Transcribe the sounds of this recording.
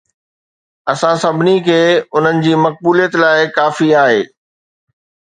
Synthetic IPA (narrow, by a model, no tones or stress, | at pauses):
ɐsãsɐbʱɪnikʰeːʊn̤ənɪ̆d͡ʑiːmɐk̚buːlijət̪laːɪkaːfiaːɦeː